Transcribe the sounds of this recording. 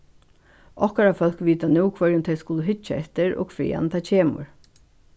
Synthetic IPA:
ɔhkaɾafœl̥kʋiːt̪anuːkʰvœɹjɪnt̪ʰɛjskʊləɦʏt͡ʃːaɛht̪ɪɹo̰ːɡkʰfɾḭːa̰nt̪ʰaːcʰeːmʊ̰ɹ

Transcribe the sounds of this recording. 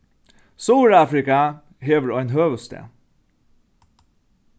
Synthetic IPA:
suːɾɑːfɾɪka | heːʋəɾoɛnɦøːʋəst̪ʰḛ

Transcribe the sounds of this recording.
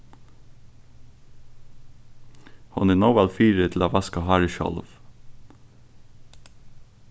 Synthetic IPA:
hɑ̰neːnoʋælfiːɾət̪ʰl̩oːʋɑskɑhɑɹəʃɑ̰lʋ

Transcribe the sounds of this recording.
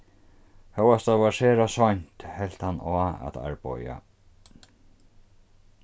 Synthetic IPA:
hœwast̪avaɾseːɾasɔɲt̪hɛl̥t̪hanːɔːa̰t̪a̰ɹpɔ̰ja̰

